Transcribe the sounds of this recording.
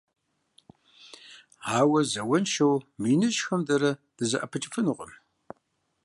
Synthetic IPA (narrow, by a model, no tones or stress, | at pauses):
ʕaːwɐzɐwɐnʃɐwmiːnɨʒxɐmdɐɾɐd̥ɨzɐ̰ʔɐpʰɨt͡ʃʼɪfɨnɨqʷʼə̰m